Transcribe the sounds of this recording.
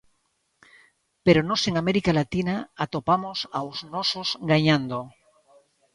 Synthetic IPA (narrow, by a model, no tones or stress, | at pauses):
peɾonoseŋameɾikalat̪inaat̪opamosawznososɡaɲãnd̪o